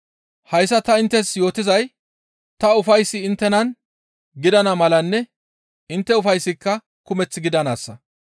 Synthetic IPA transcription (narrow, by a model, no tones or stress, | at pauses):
hɐjsːɐt̪ɐɪnt̪ːɛsjo̞ːt̪ɪzɐj | t̪ɐʊfɐjsːɪːnt̪ːɛnɐn | ɡɪd̪ɐnɐmɐlɐnːɛ | ɪnt̪ːɛʊfɐjsːɪkːɐ | kʊmɛt͡sːɪɡɪd̪ɐnaːsːɐ